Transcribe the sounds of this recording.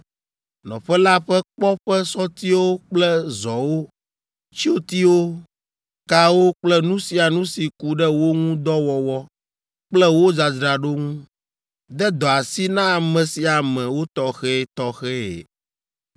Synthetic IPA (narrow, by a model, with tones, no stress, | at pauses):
nɔ̰̃˨ɸɛ˦la˦ɸɛ˦k͡pɔ˦ɸɛ˦sɔ˦t̪i˦wo˦k͡plɛ˦zɔ˨wo˦ | t͡ɕi˦o˦t̪i˦wo˦ | ka˦wo˦k͡plɛ˦nũ˦si˨a˨nũ˦si˨ku˦ɖɛ˦wo˦ŋũ˦d̪ɔ˦wɔ˨wɔ˦ | k͡plɛ˦wo˦d͡za˨d̪ɾa˨ɖo˦ŋũ˦ | d̪ɛ˦d̪ɔ˨a˨si˦nã˦˨mɛ̃˨si˨a˨mɛ̃˨wo˦t̪ɔ˦xɛ˦˨t̪ɔ˦xɛ˦ḛ˨